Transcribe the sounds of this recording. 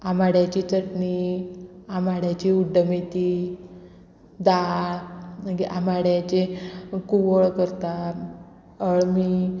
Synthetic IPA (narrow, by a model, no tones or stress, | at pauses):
amaɽjat͡ɕiːt͡səʈni | amaɽjat͡ɕiuɖːəmet̪i | d̪aɭəɡiʔamaɽjat͡ɕekuʋəɭkəɾt̪a | əɭmiː